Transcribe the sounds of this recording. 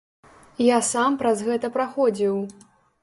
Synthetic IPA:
jasampɾɐzɣɛt̪ɐpɾaxɔd͡zʲiw

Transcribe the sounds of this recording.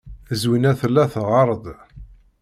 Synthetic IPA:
əzwinæθəlːæθʁɑɾˤd̪

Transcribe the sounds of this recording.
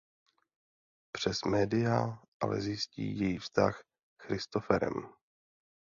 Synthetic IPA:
pr̝̥ɛsmɛːdɪjaʔalɛ̰zjɪscḭːjɛjiːfst̪ax | xɾɪst̪ofɛɾɛ̰m

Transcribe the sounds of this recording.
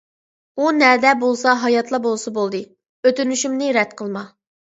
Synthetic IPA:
unɛd̪ɛbolˠsɑɦɑjɑt̪ʰlˠɑbolˠsɑbolˠd̪ɨ | øt̪ynyʃymnɪɾɛd̪̚qʰəlˠmɑ

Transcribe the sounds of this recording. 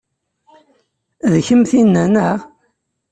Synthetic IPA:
ðçəmθinːænæʁ

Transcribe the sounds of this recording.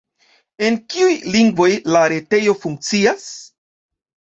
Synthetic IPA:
e̞nkiujliŋɡvo̞jlaɾe̞te̞jo̞fuŋk̚t͡sias

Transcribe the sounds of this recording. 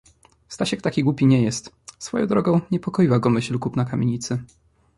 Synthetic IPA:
st̪aɕɛk̚t̪akʲiɡwupʲiɲɛjɛst̪ | sfɔjɔ̰̃w̃d̪ɾɔɡɔ̃w̃ɲɛpɔkɔjiwaɡɔmɘɕlkupnakamʲjeɲit̪sɘ

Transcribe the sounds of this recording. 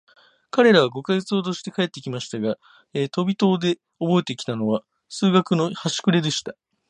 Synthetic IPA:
kaɾe̞ɾaβ̞aɡo̞kaet͡sɨoːd̪o̞ɕi̥t̪e̞kae̞t̪ːe̞kʲimaɕi̥t̪aɡa | et̪o̞bʲit̪o̞ːd̪e̞ | obo̞e̞t̪e̞kʲi̥t̪ano̞βa | sɨːɡakɯ̟no̞haɕi̥kɯ̟ɾe̞d̪e̞ɕi̥t̪a

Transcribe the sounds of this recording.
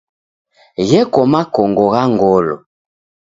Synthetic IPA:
jɛkɔmakɔŋɡɔɣaŋɡɔlɔ̰

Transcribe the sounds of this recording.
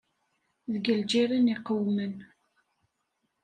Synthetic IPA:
ðəɡəld͡ʒiɾəniqəwmən

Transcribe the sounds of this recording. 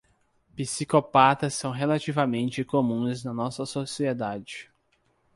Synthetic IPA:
pisikopat̪ɐsːɐ̃w̃ɦelat͡ʃivɐmẽnt͡ʃɪkomũznɐnɔsɐsosied̪ad͡ʒɪ

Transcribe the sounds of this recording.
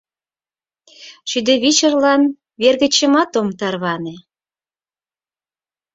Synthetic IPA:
ʃyd̪eβit͡ɕərlɑn | βerɣə̆t͡ɕəmɑt̪omt̪ɑrβɑne

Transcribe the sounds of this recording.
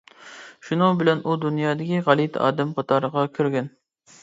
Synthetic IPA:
ʃunɨbɪlɛnud̪unjɑːd̪ɪkʲiʁɑlˠit̪ɑ̰ːd̪ɛmqʰɑt̪ʰɑɾəʁɑkʲʰyɾɡʲɛn

